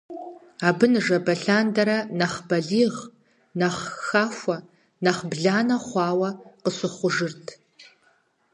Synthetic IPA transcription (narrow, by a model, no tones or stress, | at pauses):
aːbɨnɨʐɐbɐɬaːndɐɾɐnɐχbɐɮiːʁ | nɐχxaːfʷɐ | nɐχbɮaːnɐχʷɑːwɐqəsɨχʷʊʒɨrtʰ